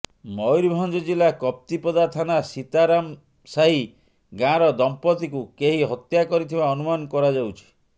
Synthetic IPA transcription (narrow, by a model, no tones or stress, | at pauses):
mɔjɾbʱɔnd͡ʒɔd͡ʒilakɔp̚t̪ipɔd̪at̪ʰanasit̪aɾam | saɦi | ɡãɾɔd̪ɔmpɔt̪ikukeɦiɦɔt̪jakɔɾit̪ʰibaɔnumanɔkɔɾad͡ʒawt͡ʃʰi̥